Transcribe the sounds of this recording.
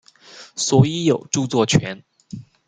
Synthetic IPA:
swɔ˧˥i˧˥jo˨˩ʊʈ͡ʂu˥˧t͡swɔ˥˩t͡ɕʰɥɛ˧˥˦n

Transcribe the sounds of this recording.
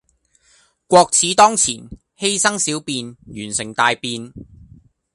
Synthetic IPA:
kʷɔː˧k̚t͡sʰiː˨˥t̪ɔː˥ŋt͡sʰḭː˨˩n | he˥jsɐ˥ŋsiː˨˥wpiː˧njyː˨˩nsɪ˨˩ŋt̪aː˧jpiː˧n

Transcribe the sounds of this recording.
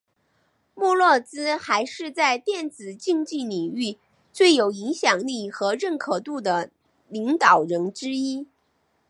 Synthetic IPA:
mu˥˧lwɔ˥˩t͡sɹ̩˥xa˧˥ɪʂɻ̩˥˧t͡sa˥˧ɪt̪jɛ˥˩nt͡sɹ̩˨˩t͡ɕi˥˧ŋt͡ɕi˥˩ni˨˩ŋy˥˧ | t͡swe˥˩ɪjo˨˩ʊi˧˥ŋɕjɑ˨˩ŋli˥˩xɤ˧˥ɻə˥˩nkʰɤ˨˩t̪u˥˩d̪ə˩ | li˧˥ŋt̪ɑ˨˩ʊɻə˧˥nʈ͡ʂɻ̩˥i˥

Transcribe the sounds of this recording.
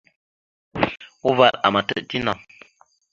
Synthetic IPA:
u˦va˦˨ta̰˨ma˨tə˦˨ʔti˦na˨

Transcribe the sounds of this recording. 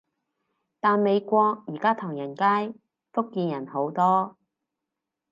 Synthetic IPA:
t̪aː˨nme˨˧jkʷɔː˧k̚jiː˨˩kaː˥t̪ʰɔː˨˩ŋjɐ˨˩nkaː˥j | fʊ˥kːiː˧njɐ˨˩nho˨˥wt̪ɔː˥

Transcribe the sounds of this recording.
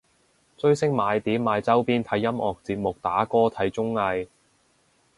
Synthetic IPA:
t͡sɵ˥ɥsɪ˥ŋmaː˨˧jt̪iː˨˥maː˨˧jt͡sɐ˥wpiː˥nt̪ʰɐ˨˥jːɐ˥mɔː˨k̚t͡siː˧p̚mʊ˨k̚t̪aː˨˥kɔː˥t̪ʰɐ˨˥jt͡ʃʊ˥ŋːɐ˧j

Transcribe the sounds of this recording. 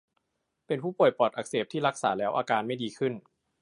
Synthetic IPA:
pe˧npʰuː˥˩pu˨˩əjpɔː˨˩t̪ʔa˨˩k̚seː˨˩p̚t̪ʰiː˥˩ɾa˦˥k̚saː˩˦lɛː˦˥wʔaː˧kaː˧nma˥˩jdiː˧kʰɯ˥˩n

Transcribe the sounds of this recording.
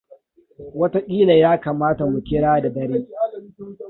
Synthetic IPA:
wɐ˦ta˦kʲʼiː˦la˨jaː˦ka˨maː˦ta˨mʊ˨kʲɪ˦ɽaː˦da˨dɐ˦ɽiː˦

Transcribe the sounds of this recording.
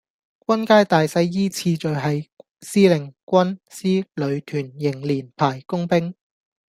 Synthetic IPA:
k̚ʷɐ˥nkaː˥jt̪aː˨jsɐ˧jːiː˥t͡sʰiː˧t͡ʃɵ˨ɥɦɐ˨j | siː˥lɪ˨˩ŋkʷɐ˥nsiː˥lɵ˨˧ɥt̪ʰyː˨˩njɪ˨˩ŋliː˨˩npʰaː˨˩jkʊ˥ŋpɪ˥ŋ

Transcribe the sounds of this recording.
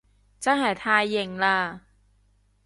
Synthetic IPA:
t͡sɐ˥nɦɐ˨˩jt̪ʰaː˧jːɪ˨ŋlaː˧

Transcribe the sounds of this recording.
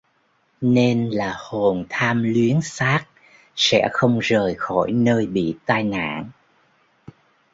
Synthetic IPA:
ne˧nlaː˨˩ho˨˩nt̪ʰaː˧mlwi˨˦ənsaː˦˥k̚ | sɛ̰˧˥xə˧wŋ͡mzəː˨˩jxɔ˧˩jnəː˧jɓḭ˧˨t̪aː˧jna̰ː˧˥˨n

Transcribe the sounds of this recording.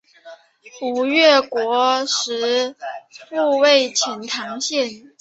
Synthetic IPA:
u˨˩ɥɛ˥˩kwɔ˧˥ʂɻ̩˧˥ | u˥˧we˥˩ɪt͡ɕʰɛ˧˥nt̪ʰɑ˧˥ŋɕjɛ˥˩n

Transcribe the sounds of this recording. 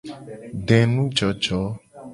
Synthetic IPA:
ɖɛ̃˨nũ˦d͡ʒɔ˨d͡ʒɔ˨˦

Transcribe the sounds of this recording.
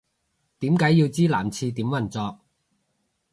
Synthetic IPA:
t̪iː˨˥mkaː˨˥jːi˧wt͡siː˥la̰ː˨˩mt͡sʰiː˧t̪iː˨˥mwɐ˨˩nt͡sɔː˧k̚

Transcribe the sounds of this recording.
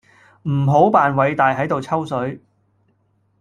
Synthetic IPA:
m̩˨˩ɦo˨˥wpaː˨nwɐ˨˧jt̪aː˨jɦɐ˨˥jt̪o˨wt͡sʰɐ˥wsɵ˨˥ɥ

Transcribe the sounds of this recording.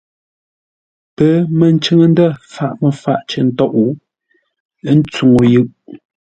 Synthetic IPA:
pə˨˦mə˨n˦t͡ʃə˦ŋə˦˨n˦də˦˨fa˨ʔmə˨fa˦ʔt͡ʃə˨n̩˦tɔ˦ʔu˨˦ | n̩˦t͡su˨ŋo˨jɯ˦˨ʔ

